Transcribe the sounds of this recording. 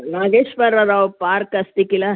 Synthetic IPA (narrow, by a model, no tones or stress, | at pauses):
naːɡeːʃbɐɾɐɾaupaːɾkɐst̪ikila